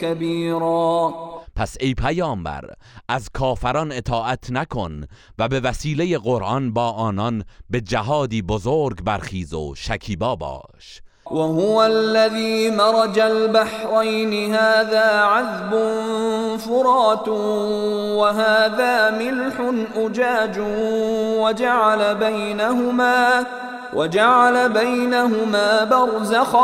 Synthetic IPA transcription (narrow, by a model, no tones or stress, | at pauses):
kabiːɾˤɑːpʰæsejpʰæjɒːmbæ̰ɾ | ʔæzkʰɒːfæɾɒnet̪ʰɒːʔæt̪ʰnækʰo̞nvæbe̞væsiːle̞je̞ɣo̞ɾʔɒnbɒːʔɒːnɒnbe̞d͡ʒæɦɒːd̪iːbozoɾɡbæɾχiːzo̰ʃækʰiːbɒːbɒ̰ː | ʃ | waɦʊwalːaðiːmɑɾˤɑd͡ʒalbaħɾˤɑjnɪɦaːðaːʕaðbʊnfʊɾˤɑːt̪ | waɦaːðaːmɪlħʊnʔʊd͡ʒaːd͡ʒʊwad͡ʒaʕalabajnaɦʊmaː | wʔad͡ʒaʕalabajnaɦʊmaːbɑɾˤzax